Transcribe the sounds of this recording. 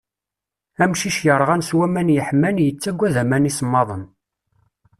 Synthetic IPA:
æmʃiʃjəɾˤʁænswæmænjəħmːænjət͡sːæɡʷːæðæmænismːɑðˤən

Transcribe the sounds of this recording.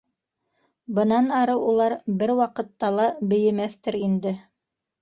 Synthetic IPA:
bɤ̆nɑnɑɾɤwulˠɑɾbɘɾwɑqɤ̆t̪ːɑlˠɑbɘ̆jɘ̆mæθt̪ɘɾind̪ɘ

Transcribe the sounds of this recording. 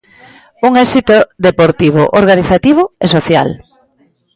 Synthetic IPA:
uŋɛsit̪oðepoɾt̪iβ̞ʊʔoɾɣaniθat̪iβ̞ʊesoθja̰l

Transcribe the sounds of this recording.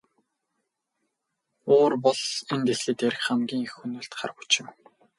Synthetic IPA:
oːrpɔɮent̪esɮĭːt̪æɾɘ̆xχamɡʲiːŋixunŭːɮt̪χa̰r̆xu̥t͡ɕɪ̆m

